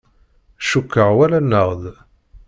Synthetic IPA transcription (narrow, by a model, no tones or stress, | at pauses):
ʃukːəʕwælænːəʁð